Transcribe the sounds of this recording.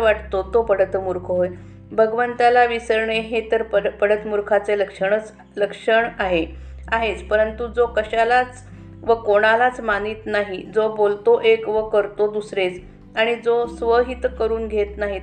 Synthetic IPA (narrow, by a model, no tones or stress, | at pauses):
aʈt̪ot̪opəɽət̪muɾkʰəɦoj | bʱəɡʋənt̪alaʋisəɾɳeɦet̪əɾpəpəɽ̤ət̪muɾkʰat͡seləkʂəɳət͡s | ləkʂəɳaɦeaɦet͡spəɾənt̪ud͡zokəɕalat͡s | ʋəkoɽ̃alat͡smaniːt̪naɦid͡zobolt̪oʔekʋəkəɾt̪od̪usɾet͡s | aɽ̃id͡zosʋəɦit̪kəɾuːnɡʱet̪naɦi